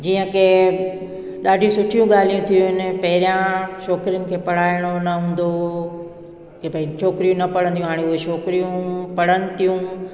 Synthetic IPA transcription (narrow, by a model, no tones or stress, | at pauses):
d͡ʑiːə̃kʰe | ɗaːɖʱijũsʊʈʰijũɠaːl̤ijũt̪ʰijũɦɪnɪ̆pɐɦɪɾijãʃɔːkɾijʊnɪ̆kʰeːpɐɽ̤aːɪɽ̃onɐɦũːn̆d̪o | kepɐɪt͡ʃʰoːkɾijũnɐpɐɽə̃nd̪ijũɦaːɽ̃eʊɦeʃoːkɾijũpɐɽ̤ənɪ̆t̪ʰijũ